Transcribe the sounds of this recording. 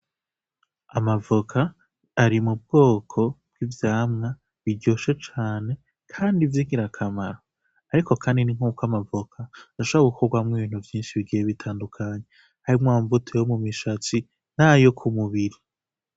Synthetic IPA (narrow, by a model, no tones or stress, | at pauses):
amavokʰaː | ɾimub̚ɡ̥o̞ːkʰo̞b̥̚ɡ̥ivjaːmŋa | βiɟoːʃe̞t͡ʃaːne̞ | kʰaːndivjiːŋɡiɾakʰamaɾo | aɾiko̞kʰaːndiniŋ̥uːkwamavokʰaɾaʃoβɾaɡukʰoɾɡwamŋiβiːn̥huvjiːnʃiβiɡijeβitʰaːndukʰaɲe | haɾimwaːɱvutʰejomumiʃat͡si | n̥ajo̞kʰumuβiɾi